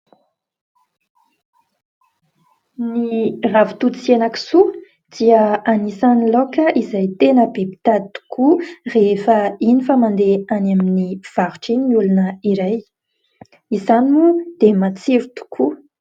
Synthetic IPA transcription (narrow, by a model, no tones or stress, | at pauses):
niravu̥t̪ut͡sienaki̥su | d̪̥iəanisanilokəʔizajt̪enəbepi̥t̪at̪u̥kʰurefəinifəmand̪eanaminiv̥aɾuʈ͡ʂiniulunəiɾaj | izanimud̪̥emat͡siɾut̪u̥kʰu